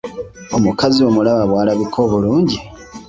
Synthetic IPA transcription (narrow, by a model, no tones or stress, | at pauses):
omukazio̞mulaβaβwaːlaβikʰo̞βuluːɲɟi